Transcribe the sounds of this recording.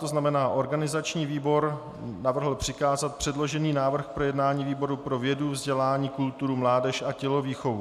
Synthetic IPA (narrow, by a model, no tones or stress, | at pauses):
t̪oznamɛnaːʔo̞ɾɡanɪzat͡ʃɲiːviːbo̞ɾ | navr̩ɦl̩pr̥ɪkaːzat̪̚pr̝̥ɛdlo̞ʒɛniːnaːvr̩xpɾo̞jɛdnaːɲiːviːbo̞ɾupɾo̞vjɛduvzɟɛlaːɲiːkult̪uɾumlaːdɛʃʔacɛlo̞viːxo̞vu